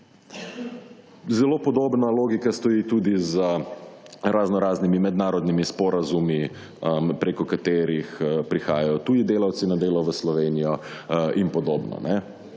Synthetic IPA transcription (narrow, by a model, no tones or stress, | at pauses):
zɛloːpɔd̪oːbnaloːɡikast̪ɔjiːt̪uːd̪izə | ɾaznɔɾaːznimimɛd̪naːɾɔd̪nimispɔːɾazumi | əpɾekɔkat̪eːɾixəpɾixa̰ːjajɔt̪uːd̪id̪eːlawt̪sinad̪eːlɔʋəslɔʋeːnijɔinpɔd̪oːbnɔ̰nɛ